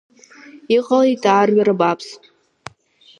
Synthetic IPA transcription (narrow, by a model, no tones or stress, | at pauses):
iqʼalitʼaːrɥaɾɨbapʰs